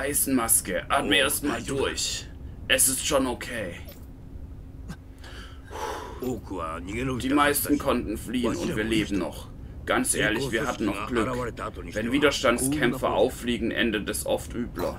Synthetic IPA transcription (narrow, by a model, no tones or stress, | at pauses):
ʔaɪsn̩maskəʔaːtməeːɐstmaːldʊɐçʔɛsɪstʃoːnokʰeː | d̥iːmaɪstn̩kʰɔntn̩fliːənʊ̰ntv̥iːɐleːbm̩nɔχ | ɡ̥ant͡sʔeːɐlɪçviːɐhɦatn̩nɔχɡ̥lʏk | vɛnviːdɐʃtantt͡sskʰɛmfɐʔa̰ʊfːliːɡŋ̩ʔɛ̰ndətɛsʔɔ̰ftʔyːblɐ̰